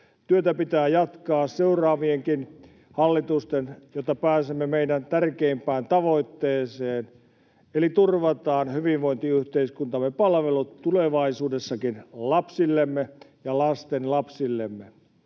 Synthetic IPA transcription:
t̪yøt̪æpit̪æːjɑt̪kɑːsseurɑːʋieŋkin | hɑlːit̪ust̪enjot̪ːɑpæːsemːemeidænt̪ærkeimpæːnt̪ɑʋoit̪ːeːseːn | elit̪urʋɑt̪ɑːnhyʋiʋʋoint̪iyht̪eiskunt̪ɑmːepɑlʋelut̪ːuleʋɑisuːdesːɑkinlɑpsilːemːejɑlɑst̪enlɑpsilːemːe

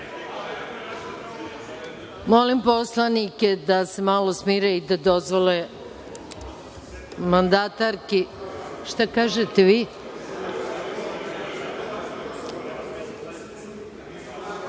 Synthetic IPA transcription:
molimpo̞slˠanike̞d̪ase̞malosmiːɾaid̪ad̪o̞zʋole | mand̪at̪aɾkiʃt̪akaːʒet̪eʋiː

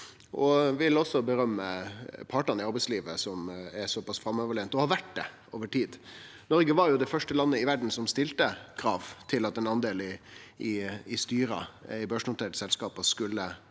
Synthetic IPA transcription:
ʔɔʋɪlɔsːɔbəɾœmːəpʰɑːʈɑnɪɑɾbɛɪsliːʋəsɔmæɾsɔpɑsfɾɑmːøʋəɭent̪ɔhɑɾʋæʈ̚d̪ɛ̰ʔoːʋəʈiːd̪ | nɔɾɡəʋɑɾjʊd̪ɛɪfœʂʈəlɑnːəɪʋæɖn̩sɔmst̪ɪlt̪əkʰɾɑːʋt̪ʰɪlɑt̪ɛnɑnd̪eːlɪɪɪst̪yːɾɑ̰ɪbøːʂnʊt̪ʰeːʈə̥sɛlskɑːpɑskʉlːə

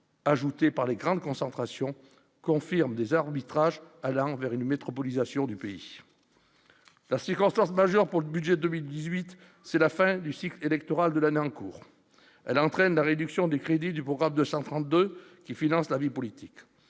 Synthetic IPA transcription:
aʒut̪epaʁleɡʁɑ̃d̪kɔ̃sɑ̃t̪χasjɔ̃ | kɔ̃fiʁmd̪ezaʁbit̪χaʒalɑ̃vɛʁynmet̪χɔpɔlizasjɔ̃d̪ypeḭ | lasiʁkɔ̃st̪ɑ̃smaʒœʁpuʁləbyd̪ʒed̪əmild̪izɥit̪ | sɛlafɛ̃d̪ysiklelɛkt̪ɔʁald̪əlaneɑ̃kṵːʁ | ɛlɑ̃t̪χɛnlaʁed̪yksjɔ̃d̪ekχed̪id̪ypχɔɡʁamd̪øsɑ̃t̪χɑ̃t̪̚d̪økʲifinɑ̃slavipɔlit̪ik

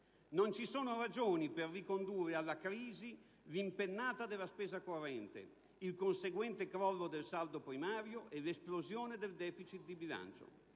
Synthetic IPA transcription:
nont͡ʃisoːnoɾad͡ʒoːniperːikond̪uːrealːakɾiːzi | limpenːaːt̪ad̪elaspɛːzakorːɛnt̪ḛ | ilkonseɡwɛnt̪ekɾɔlːod̪elsald̪opɾimaːɾjoʔelesplozjoːned̪eld̪ɛːfit͡ʃit̪̚d̪ibila̰nt͡ʃo̰

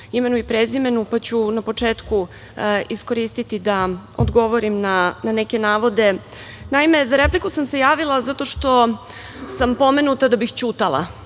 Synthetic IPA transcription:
ime̞nuipɾezime̞nupat͡ɕunapo̞t͡ʂeːt̪ku | isko̞ɾiːst̪it̪id̪ao̰d̪ɡo̞ʋo̞ɾimnanane̞ke̞naːʋo̞d̪e̞ | naime̞zaɾe̞plikusamse̞jaːʋilˠazat̪o̞ʃt̪o̞ | sampo̞me̞nut̪ad̪abixt͡ɕuːt̪alˠa̰

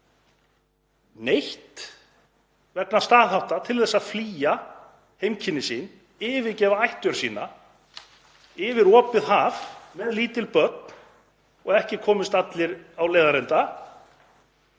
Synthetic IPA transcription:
nejht̪ | vɛknast̪aːðɦawt̪at̪ʰɪlθɛsːaðfliːja | hejmcʰɪnːɪsiːn | ɪvɪðcɛːvaajht̪ʏɾ̥siːna | ɪvɪɾɔːpɪðɦaːvmɛðliːt̪ɪlpœt̪n | ɔɣɛhcɪkʰɔːmɪst̪at̪lɪɾawleːjðaɾɛnt̪a

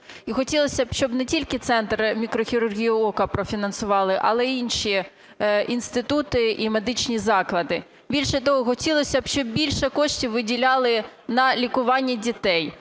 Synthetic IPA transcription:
ixɔtʲilˠɔsʲɐbʃt͡ʃɔbnɛtʲilʲkɪt̪sɛnt̪rmʲikɾɔxʲiɾʊrɦʲijʊɔkɐpɾɔfʲinɐnsʊʋɑlˠɪʔɐ̰lˠɛinʃʲi | inst̪ɪt̪ut̪ɪime̞d̪ɪt͡ʃnʲizɑklˠɐd̪ɪ | bʲilʲʃɛt̪ɔɦɔxɔtʲilˠɔsʲɐb̥ʃt͡ʃɔb̚bʲilʲʃɛkɔʃtʲiwʋɪdʲilʲɑlˠɪnɐlʲikʊʋɑnʲːidʲit̪ɛj

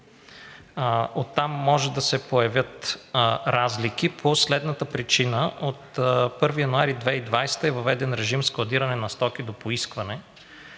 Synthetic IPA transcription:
ot̪ːamːɔʒɛd̪ɐsɛpojɐvʲjət̪ | ɾazlikipʰoslɛd̪nət̪əpɾit͡ʃinəʔot̪pɤɾvijɐnʊaɾid̪vɛid̪vajst̪əɛvɐvɛd̪ɛnɾɛʒimsklˠɐd̪iɾɐnɛnɐst̪ɔk̟id̪opoiskvɐnɛ

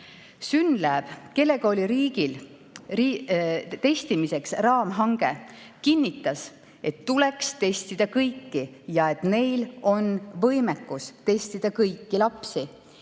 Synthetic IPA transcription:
synlæːb̥ke̞lːe̞koːlʲiɾiːɡ̥il | rit̪e̞st̪imise̞ksrɑːmɦɑŋɡ̥e̞kinʲːit̪ːˑɑs | e̞t̪ːule̞kst̪e̞st̪id̪̥ɑkɤjkːijɑe̞t̪ːˑme̞jlo̞nvɤ̞jmekːˑust̪e̞sʲt̪id̪̥ɑkɤjkːilɑpsi

